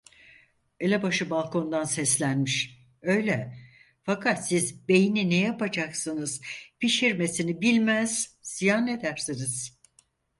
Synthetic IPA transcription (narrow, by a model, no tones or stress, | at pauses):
e̞lʲɛbaʃɯbalˠkʰo̞nd̪ansɛslʲænmiʃ | ø̞jlʲɛ | fakʰat̪sizbe̞jininɛjapad͡ʒaksɯnɯzpiʃiɾme̞sinibilʲmæz̥zijane̞d̪æɾsiniz̥